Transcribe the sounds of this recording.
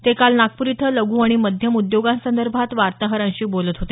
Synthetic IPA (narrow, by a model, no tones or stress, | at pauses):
t̪ekalnak̚puɾit̪ʰələɡʱuːaɽ̃iməd̪ʱjəmud̪joɡãnsənd̪əɾbʱat̪ʋaɾt̪aɦəɾãɲɕiːbolət̪ɦot̪e